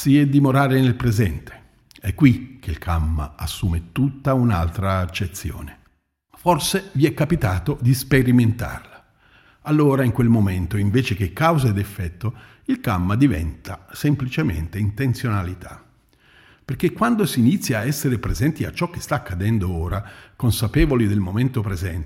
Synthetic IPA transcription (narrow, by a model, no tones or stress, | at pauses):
siɛd̪imoɾaːɾenelpɾezɛnt̪e̥ | ɛkːwik̟ʰːelkʰamːa̰asːuːmet̪ut̪ːauna̰lt̪ɾaːt͡ʃːet̪sːjo̰ːne | forseviɛkːapit̪aːt̪od̪ispeɾiment̪a̰rla | alːoːɾaiŋkwelmoment̪oiɱveːt͡ʃek̟ekːawzed̪efːɛt̪ːo | ilkamːad̪ivɛ̰nt̪ʰasemplit͡ʃemḛnt̪eint̪ent̪sjonalit̪ʰa | perk̟ekːwand̪osiːnit̪sːjaːɛsːeɾepɾezɛnt̪ia̰t͡ʃːɔkːe̥st̪aːkːad̪ɛnd̪ooːɾakonsapeːvolid̪elmoment̪opɾezɛnt̪